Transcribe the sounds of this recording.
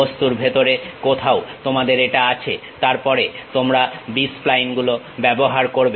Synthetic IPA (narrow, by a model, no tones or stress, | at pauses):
ost̪uɾbʱet̪oɾekot̪ʰaot̪omad̪eɾeʈaat͡ɕʰet̪aɾpɔɾet̪omɾabisplajnɡulo | bɛboɦaɾkoɾb